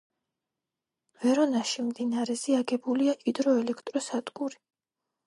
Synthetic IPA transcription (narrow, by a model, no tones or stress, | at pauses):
vɛɾɔnaʃimd̪inaɾɛziaɡɛbuliaʔʼid̪ɾɔɛlɛkʰt̪ʼɾɔsad̪ɡuɾi